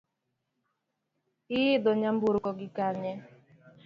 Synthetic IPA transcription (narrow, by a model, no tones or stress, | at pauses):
ɪɪdɔɲam̩buɾkɔɡɪkaɲɛ